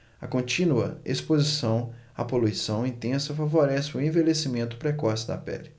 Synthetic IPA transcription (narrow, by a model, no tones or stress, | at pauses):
ɐkõnt͡ʃĩnuɐ̰espozisɐ̃w̃a̰polujsɐ̃w̃ĩt̪ẽsɐfavoɾɛsɪʊẽvelesimẽnt̪ʊ̥pɾɛkɔsɪd̪ɐ̰pɛ̰lɪ